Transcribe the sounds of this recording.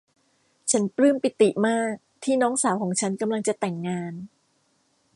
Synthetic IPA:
t͡ɕʰa˦˥nplɯ˥˩mpi˨˩t̪i˨˩maː˥˩k̚t̪ʰiː˥˩nɔː˦˥ŋsaː˩˦wkʰɔː˩˦ŋt͡ɕʰa˦˥nka˧mla˧ŋt͡ɕa˨˩t̪ɛ˨˩ŋːaː˧n

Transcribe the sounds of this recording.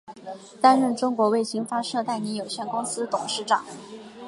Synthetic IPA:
t̪a˥nɻə˥˩nʈ͡ʂʊ˥ŋkwɔ˧˥we˥˩ɪɕi˥ŋfa˥ʂɤ˥˧t̪a˥˩ɪni˧˥jo˨˩ʊɕjɛ˥˩nkʊ˥ŋsɹ̩˥t̪ʊ˨˩ŋʂɻ̩˥˩ʈ͡ʂɑ˨˩˦

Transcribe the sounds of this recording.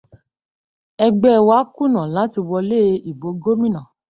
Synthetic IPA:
ɛ˧ɡ͡bɛ˦˨wa˨˦kũ˦˨nã˨lã˨˦ti˧wɔ˧le˦˨˦i˨bo˨˦ɡo˦mĩ˦nã˨

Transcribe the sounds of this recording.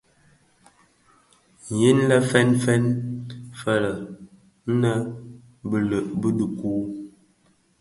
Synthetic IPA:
ji˦nlə˦fɛ˦nfɛ˦nfə˦lə˨ | n˦nə˦ | bə˨lə˨ʔbə˦də˨kuː˦

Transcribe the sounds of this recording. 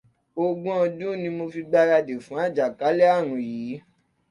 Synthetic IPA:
o˧ɡũ˦ɔ̃˧dũ˦nĩ˧mo˧fi˧ɡ͡ba˧ɾa˧de˨fũ˨˦a˦˨d͡ʒa˨ka˨˦lɛ˦a˦˨ɾ̃ũ˨jiː˨˦

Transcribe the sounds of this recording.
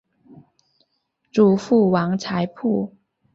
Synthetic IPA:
ʈ͡ʂu˨˩fu˥˩wɑ˧˥ŋt͡sʰa˧˥ɪpʰu˥˩

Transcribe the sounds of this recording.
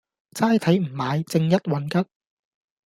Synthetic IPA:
t͡saː˥jt̪ʰɐ˨˥jm̩˨˩maː˨˧jt͡sɪ˧ŋjɐ˥t̚wɐ˨˥nkɐ˥t̚

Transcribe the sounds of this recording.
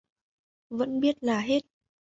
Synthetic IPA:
və̰˧˥nɓi˦˥ət̚laː˨˩ɦe˦˥t̚

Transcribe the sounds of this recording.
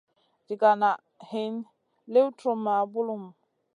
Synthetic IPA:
d͡ʒi˨ɡa˨na˨ | hi˨n | le˦wtɾo˨ma˨bu˦lu˦˨m

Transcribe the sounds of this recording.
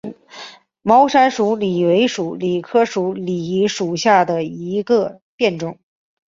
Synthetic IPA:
mɑ˥ʊʂa˥nʂu˧˥li˨˩we˧˥ɪʂu˨˧˥li˨˩kʰɤ˥ʂu˧˥li˨˩ʂu˨˩ɕja˥˩d̪ə˩i˧˥ɡə˧ | pjɛ˥˧nʈ͡ʂʊ˨˩˦ŋ

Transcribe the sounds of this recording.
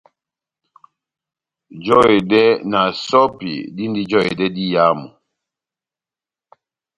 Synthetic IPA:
d͡ʒɔ˦e˨dɛ˦na˨sɔ˦pḭ˨di˦ndi˦d͡ʒɔ˦e˨dɛ˦di˦ja˦mɔ˨

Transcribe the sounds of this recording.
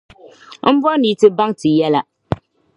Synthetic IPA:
m̩˦bɔ˦niː˨˦tɨ˦ba˦ŋtɨ˨jɛ˦la˦

